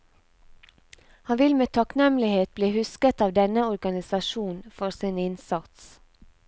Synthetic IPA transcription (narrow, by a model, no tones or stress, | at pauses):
hɑnʋɪlmeːt̪ʰɑknɛmlɪheːt̪̚bliːhʉskət̪ɑːʋd̪ɛnəɔɾɡɑnɪsɑʃuːnfɔɾsiːnɪnsɑt̪s